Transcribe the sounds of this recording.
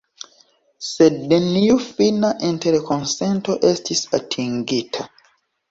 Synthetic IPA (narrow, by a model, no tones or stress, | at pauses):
sɛdːenijufinaʔɛ̃ntɛɾekʰɔ̃nsɛ̃ntoʔɛstʰisatʰĩŋɡitʰa